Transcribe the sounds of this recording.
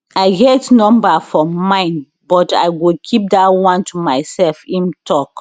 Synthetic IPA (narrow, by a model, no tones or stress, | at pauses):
aɪɡɛtnɔ̃mbafɔmãɪ̃n | bɔta̰ɪwikʰip̚datwãntʰumaɪsɛlfĩntʰɔk